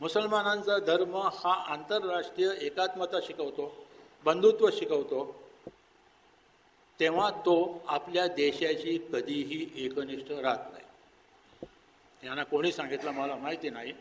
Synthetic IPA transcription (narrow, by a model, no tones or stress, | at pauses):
musəlmanãnt͡sad̪ʱəɾməhaʔant̪əɾːaʂʈɾijəekat̪mət̪aɕikəʋt̪obənd̪ʱut̪ʋəɕikəʋt̪o | t̪eʋ̤at̪oapljad̪eɕjat͡ɕiːkəd̪ʱiːɦiːʔekniʂʈəɾat̪na̰ɦi | janːakoɽ̃iːsãŋɡit̪laməlamaɦit̪iːnaɦi